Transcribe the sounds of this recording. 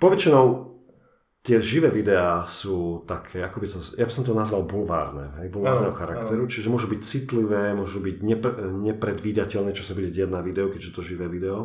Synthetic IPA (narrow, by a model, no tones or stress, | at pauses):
pɔʋɛt͡ʃinɔʊ | t̪ɪɛʒiʋɛːʋid̪ɛaːsuːt̪akʰɛːakɔbisazjabisɔmt̪̬ɔnazʋalbulʋa̰ːɾnɛ̰ɦɛjbulʋaɾnɛːɦɔxaɾaktt̪ɛɾut͡ʃiʒɛmʊɔʒubic̚t͡sit̪liʋɛːmʊɔʒubiɟɲɛɲɛpɾɛd̪ʋiːd̪acɛlnɛːt͡ʃɔsabuɟɛɟɪaɟnaʋid̪ɛukɛɟɛt̪ɔʒiʋɛːʋid̪ɛɔ